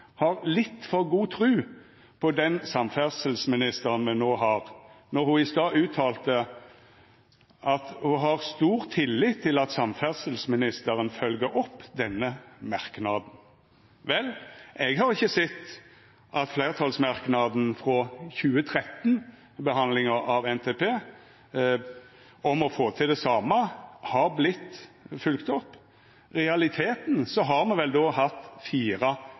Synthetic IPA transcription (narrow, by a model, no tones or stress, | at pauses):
hɑʁlɪt̪ːfɔʁɡuːt̪ʰʁʉː | pʰɔd̪ɛnsɑmfæʁsəlsmɪnɪst̪əʁənmɛnnoːɦɑːʁnɔʁhʊɪst̪ɑːʉːt̪ʰːɑːlt̪ə | ʔɑt̪hʊɦɑʁst̪uːʁt̪ʰɪlːɪt̪ʰːɪlɑt̪sɑmfæʁsəlsmɪnɪst̪əʁənfœlɡəɾɔpːd̪ɛnːəmɑʁknɑːd̪n̩ | ʋɛlɛɡhɑʁɪçːəsɛt̪ː | ʔɑt̪fleɪʁt̪ʰɑːlsmɑʁknɑd̪n̩fʁɔçʉːət̪ʰʁɛt̪n | bəɦɑnlɪŋəɾɑʋɛnt̪ʰeːpʰeː | ɔmɔfoːt̪ʰɪld̪ɛsɑːmɑhɑɾblɪt̪ːfʉlkt̪ɔpː | ʁɛɑlɪt̪ʰeːt̪nsɔɦɑʁmɛnʋɛld̪oːhɑt̪ːfiːʁɑ